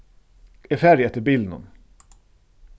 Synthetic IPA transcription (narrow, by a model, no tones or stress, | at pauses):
ɛfæɾjɛt̪ːəbiːlnʊ̰n